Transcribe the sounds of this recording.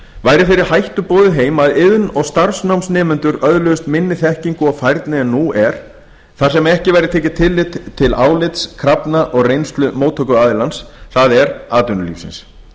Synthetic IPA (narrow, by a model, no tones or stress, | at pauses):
vajɾɪfɪɾɪɾ̥hajht̪ʏpoːðʏɦeːjmaðɪðnɔɣst̪aɾ̥snawmsnɛːmʏnt̪ʏɾœðlœɣʏst̪mɪnːɪθɛhciŋkʏɔɣfajɾt̪nɪɛnːuɛɾ̥ | θaɾ̥sɛmɛhcɪvajɾɪt̪ʰɛːcɪt̪ʰɪlːɪt̪t̪ʰːɪlaːwlɪt̪skʰɾapnaʔɔɣrejnst̪lʏmowt̪ʰœkʏaːðɪlansθaðɛɾaːt̪ʏnʏlḭːfsɪ̰ns